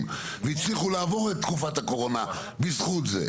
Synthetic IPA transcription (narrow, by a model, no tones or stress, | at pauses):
m | veit͡sliχulaːvo̞ʁet̪ːkufatako̞ʁo̞na | bizχut̪zḛ